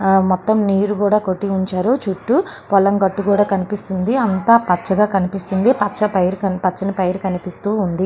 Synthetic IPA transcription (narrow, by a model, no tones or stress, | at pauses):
mɔt̪ːɐmniːɾukuːɽaːko̞ʈːiuɲt͡ʃaːɾut͡ʃuʈːu | pɔlɐŋɡɐʈːukuːɽaːkɐnipist̪und̪iɐnt̪aːpɐt͡ʃːɐɡaːkɐnipist̪und̪ipɐt͡ʃːɐpɐjɾkɐpɐt͡ʃːɐnipɐjɾukɐnipist̪uːnd̪i